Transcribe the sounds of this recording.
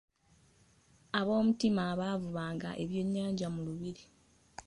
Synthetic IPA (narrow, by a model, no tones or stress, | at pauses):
aβo̞ːmutimaβavuβaːŋɡa̰ʔe̞βjo̞ɲːaːɲɟamuluβiɾi